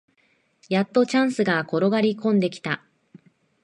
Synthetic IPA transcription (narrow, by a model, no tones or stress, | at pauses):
jat̪ːo̞t͡ɕãɰ̃sɨɡako̞ɾo̞ɡaɾʲikõ̞nd̪e̞kʲi̥t̪a